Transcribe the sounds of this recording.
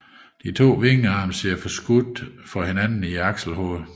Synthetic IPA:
d̥it͡sʰo̝̰ːʋe̝ŋəɑ̈ːmseɐfɒ̽sɡ̥ud̥fɒ̽henænn̩iɑ̈ɡ̥sl̩ɦɔ̰ðˠ

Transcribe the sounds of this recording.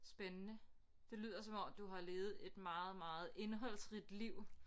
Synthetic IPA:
sb̥enənə | d̥e̝ly̰ːð̰ˠɐsɒ̽mɒ̽md̥uɦɑ̈le̝ːð̞̩ˠe̝d̥mɑ̈ːð̩ˠmɑ̈ːð̞̩ˠe̝nɦɒ̽l̰sʁid̥liʊ̰

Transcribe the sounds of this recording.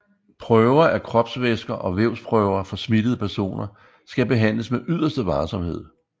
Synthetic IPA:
pʰʁœːʊɐʔækʰʁɒ̽b̥sʋesɡ̥ɐʔɒ̽ʋeʊspʰʁœʊɐfɒ̽smid̥əð̞̩ˠəpʰæɐso̝̰ːnɐ | sɡ̥æbe̝ɦæn̰ləsmeʔyð̞̰ˠɐsd̥əʋɑ̈ːsɒ̽mhe̝ð̰ˠ

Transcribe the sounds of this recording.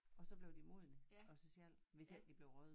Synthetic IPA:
ɒ̽sɒ̽b̥le̝ʊd̥imo̝ðˠənəɒ̽sɒsel̰ʋe̝sæl̰d̥ib̥le̝ʊʁœð̩ˠ

